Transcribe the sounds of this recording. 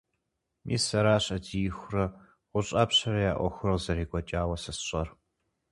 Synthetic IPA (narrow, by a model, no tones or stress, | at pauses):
mʔḭːsɐɾaːɕʼɐdiːxʷʊrɐ | ʁʷʊɕʼa̰ːpɕɐɾɐjaːʔʷɔ̰xʷʊrɐwzɐɾiːkʷʼɔt͡ʃʼaːwɐsɐsɕʼɐr